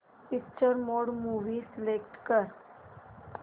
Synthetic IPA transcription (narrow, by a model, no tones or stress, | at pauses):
pɪk̚t͡ʃəɾmoːɖmuːʋisɪlekʈkəɾ